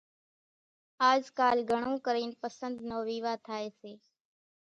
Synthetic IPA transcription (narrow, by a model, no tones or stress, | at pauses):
aːd͡ʒkaːlɡʱəɳ̃õːkəɾiːnpəsənd̪noːʋiːʋaːt̪ʰaːeːseː